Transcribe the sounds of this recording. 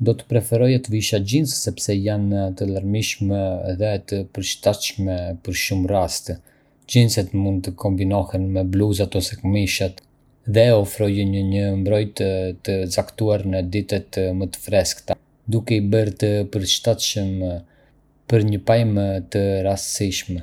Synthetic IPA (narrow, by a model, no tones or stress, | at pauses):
d̪ɔt̪ə̥pɾɛfɛɾɔjat̪viʃad͡ʑinssɛpsɛjant̪əlˠəɾmiʃmɛðɛt̪əpəɾʃt̪at̪ʃmɛpəɾʃumrast̪ | d͡ʑinsɛt̪mund̪̚t̪əkʰɔmbinɔhɛnmɛbluzat̪ɔsɛkmiʃat̪ | ðɛɔfɾɔjɛɲəɲəmbɾɔjt̪t̪əzakt̪uaɾnəd̪it̪ɛt̪mət̪ə̥fɾɛskt̪a | d̪ukɛibəɾt̪əpəɾʃt̪at̪ʃəm | pəɾɲəpajmt̪əɾassiʃmɛ